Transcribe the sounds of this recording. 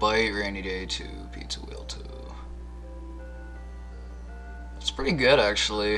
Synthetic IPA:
b̥aɪɹẽɪ̃niɾeɪɾʰʉ̰ | pʰḭtsəwḭlˠtʰṵ | tspʰɹ̥ɪɾiɡʊɾæk̚t͡ʃul̩ˠi

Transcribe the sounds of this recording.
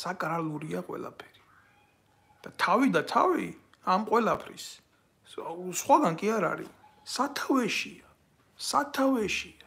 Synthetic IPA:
sakʼɾaluɾiaqʼwɛ̰la̰pʰɛ̥ɾi | d̪̥at̪ʰavid̪at̪ʰa̰vi | amqʼwɛlapʰɾḭs | sχwaɡankʼiaɾa̰ɾḭ | sat̪ʰavɛʃia | sat̪ʰavɛʃia

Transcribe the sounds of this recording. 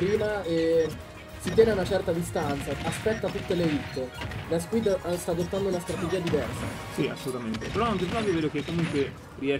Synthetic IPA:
ɾiːmaɛ | sit̪jɛːneaunat͡ʃɛrt̪ad̪ist̪ant̪saaspɛt̪ːat̪ut̪ːeleit̪ːed̪askwid̪st̪aːd̪ot̪ːand̪ounast̪ɾat̪ed͡ʒiːad̪ivɛrsa̰ | sia̰sːolut̪ament̪epeɾɔaŋkepɾɔk̪jɛveːd̪okekːomuŋkwe | riɛ

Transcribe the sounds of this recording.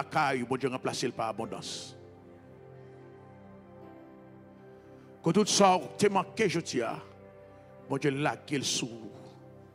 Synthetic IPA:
akajbɔ̃d͡ʒjeʁɑ̃plaselpaʁabɔ̃d̪ɑ̃s | kõt̪ut̪sɔt̪ʰemɑ̃keʒod͡zia̰ | bɔ̃d͡ʒelaɡelsu

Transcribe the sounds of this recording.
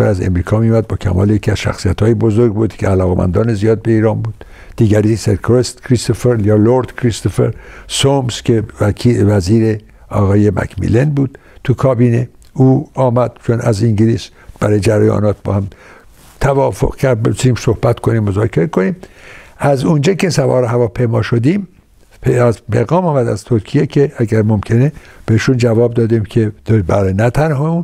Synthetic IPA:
æ̰ɾæzḛmɾiːkʰɒːmijumæd̪̚bɒːkʰæ̰mɒ̰ːlejecʰiæz̥ʃæ̰xsijæt̪hɒːjebo̞zoɾɡ̚buːd̪̥kʰeælɒːɣemæ̰nd̪ɒːnezijɒːd̪̚be̞iːɾɒːnbuːd̪̥ | d̥̪iːɡæɾiseɾkʰoɾest̪kʰɾist̪ofeɾjɒːloɾd̪̥kʰɾist̪ofḛɾsomskʲeævæziːɾe | ɒːɣɒːjemæ̰kʰmḭlenbuːd̪̥ | t̪ʰukʰɒːbiːne | uːɒːmæd̪̥̚t͡ʃʰonæziŋɟiliːs | b̥æɾɒːjed͡ʒæɾæjɒ̰ːnɒːt̪̚bɒ̰ːhæm | t̪ʰævɒːfo̰ʁ̥cʰæɾd̪̚besiːmsohbæt̪kʰo̞niːmːozɒːkʰeɾekʰo̞niːmʔæzund͡ʒɑːkʰe̞sævɒ̰ːɾeɦævɒːpʰejmɒːʃod̪iːm | pʰæzpeɣɒːmɒːmæd̪æz̥t̪ʰoɾkʰijekʰeæɡæɾmomcʰeneb̥eiʃund͡ʒævɒːb̚d̪ɒːd̪iːmkʰe̞d̪bæɾnæt̪ʰænɦɒun

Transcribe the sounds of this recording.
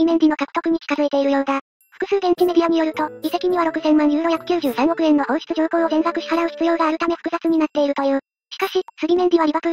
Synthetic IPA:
imẽ̞ɲd͡ʑino̞kakɯ̟̥t̪o̞kɯ̟ɲ̟ikʲi̥kazɨet̪e̞iɾɯ̟jo̞ːd̪a | ɸɯ̟̥kɯ̟sɨːɡẽɲt͡ɕime̞d̪ʲiaɲ̟ijo̞ɾɯ̟t̪o̞̥ise̞kʲiɲ̟iβaɾo̞kɯ̟zẽ̞mːãɲ̟d͡ʑɯːɾoçakɯ̟kʲɨːʑɨːsãŋ̃o̞kɯ̟ẽ̞nːo̞hõ̞ːɰɕi̥t͡sɨʑo̞ːko̞ːozẽ̞ɰzakɯ̟ɕi̥kaɾaoɕi̥t͡sɨjo̞ːɡaːɾɯ̟t̪ame̞ɸɯ̥kɯ̟zat͡sɨɲ̟inat̪ːe̞iɾɯ̟t̪o̞jɯ̟ː | ɕi̥kaɕisɨɾʲimẽ̞ɲ̟d͡ʑiβ̞aɾʲibβakɯ̟

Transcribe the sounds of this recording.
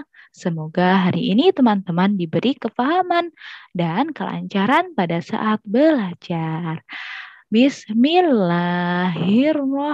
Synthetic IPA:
səmoɡaɦaɾiʔːnit̪əmant̪əmandibəɾikəfaɦamandankəla̰ɲt͡ʃaɾanpadasa̰ʔat̪̚bəlad͡ʒar | bisminlaɦɪrmɔ

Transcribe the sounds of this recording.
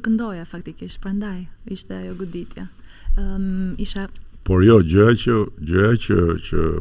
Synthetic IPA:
kənd̪ɔjafakt̪ikiʃpɾand̪ajiʃt̪ɛjɔɡud̪it̪ʰjɛ | iʃɛpɔɾjɔd͡ʒəat͡ʃəd͡ʒəɦat͡ʃət͡ʃə̰

